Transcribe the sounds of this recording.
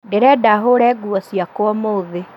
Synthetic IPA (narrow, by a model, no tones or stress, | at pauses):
deɾɛdaɦoɾɛːɡuɔsjakwɔmoːðe